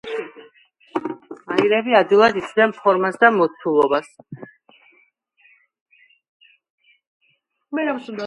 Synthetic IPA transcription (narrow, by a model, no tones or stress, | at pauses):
aiɾɛbiad̪ilˠad̪isʰd̪ɛnpʰɔɾmasd̪amɔt̪sʰulˠɔbas